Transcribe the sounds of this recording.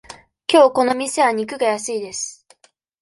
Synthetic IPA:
kʲo̞ːko̞no̞mʲise̞βaɲ̟ik̬ɯ̟ɡajasɨid̪e̞sɨ̥

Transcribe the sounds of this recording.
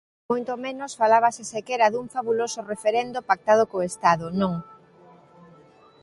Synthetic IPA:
mojt̪omẽnosfalaβ̞asesekɛɾaðuŋfaβulosʊrefeɾend̪opak̚t̪að̞okoest̪aðʊnõŋ

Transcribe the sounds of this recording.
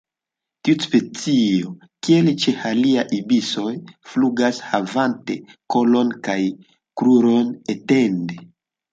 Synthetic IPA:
tiuspe̞t͡sio̞ | kielt͡ʃe̞haliajʔibiso̞jfluɡashavante̞ko̞lo̞nkaj | kɾuɾo̞nete̞nde

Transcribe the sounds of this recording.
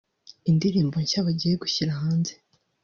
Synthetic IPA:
indiɾiːmbo̞ɲçaβaɟijeɡuçiɾaɦaːnze

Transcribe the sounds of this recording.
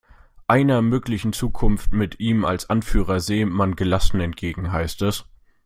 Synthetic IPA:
ʔaɪnɐmøːklɪçn̩t͡suːkʰʊnftmɪtʔiːma̰lsʔanfyːʁ̞ɐzeːəmanɡəlasn̩ɛnt̚ɡ̥eːɡŋ̩ɦaɪstɛs

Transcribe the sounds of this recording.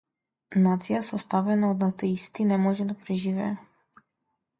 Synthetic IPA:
nat̪sijasɔst̪avɛnaɔd̪nat̪ɛist̪inɛmɔʒɛd̪apɾɛʒivɛ̰ɛ

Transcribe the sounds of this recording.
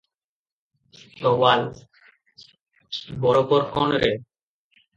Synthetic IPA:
t̪owal | bɔɾopɔɾkɔnɾe

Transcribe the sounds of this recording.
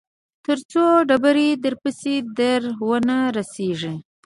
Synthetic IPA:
t̪əɾt͡soɖabaɾed̪əɾpəsid̪aɾwənaɾaseʐi

